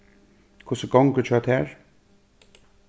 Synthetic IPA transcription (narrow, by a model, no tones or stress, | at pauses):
kʰʊsəɡɔŋkət͡ʃʰœːt̪hɛːɹ